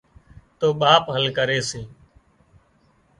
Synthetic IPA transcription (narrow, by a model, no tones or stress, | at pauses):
t̪oːɓaːpɦəlkəɾeːsĩː